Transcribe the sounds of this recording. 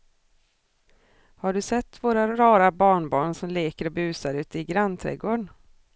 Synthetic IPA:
haɖɵsɛt̪ːvoːɾaɾɑːɾabɑːɳbɑːɳsɔmleːkəɾɔbʉ̟ːsaɾʉ̟ːt̪əɪɡɾant̪ʰɾɛ̰ɡoːɳ

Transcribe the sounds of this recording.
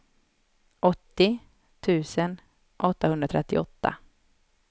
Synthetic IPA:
ʔɔt̪ːɪ | t̪ʰʉ̟ːsən | ʔɔt̪ːahɵnd̪ɾat̪ʰɾɛt̪ːɪɔt̪ːa̰

